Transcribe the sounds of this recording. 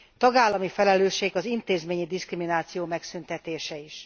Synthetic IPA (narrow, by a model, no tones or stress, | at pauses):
t̪ɒɡaːlːɒmifɛlɛløːʃːeːɡɒzint̪eːzmeːɲid̪iskriminaːt̪sijoːmɛksynt̪ɛt̪eːʃɛiʃ